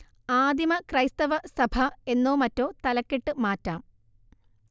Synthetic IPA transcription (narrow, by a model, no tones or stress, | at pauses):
aːd̪imɐkrɐjst̪ɐʋɐsɐbʱɐe̞nːoːmɐtːo̞ːt̪ɐlɐkːiʈːɨmaːtːaːm